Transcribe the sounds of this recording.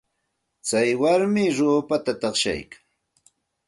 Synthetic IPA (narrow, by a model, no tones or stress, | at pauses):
t͡sajwaɾmɪɾoːpat̪at̪ɑχʃa̰jkḁŋ